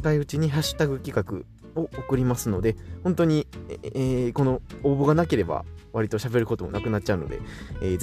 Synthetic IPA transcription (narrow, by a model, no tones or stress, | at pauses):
kaiɯ̟t͡ɕiɲ̟iɦaɕi̥t̪aɡɯ̟kʲikakɯ̟̰ | o̞okɯ̟ɾʲimasɨno̞d̪e̞hõ̞nt̪o̞ɲ̟iː | ko̞no̞oːboɡanake̞ɾe̞ba̰βaɾʲit̪o̞ɕabe̞ɾɯ̟ko̞t̪o̞mo̞nakɯ̟nat̚ːt͡ɕaɯ̟no̞̰d̪e̞̰eːz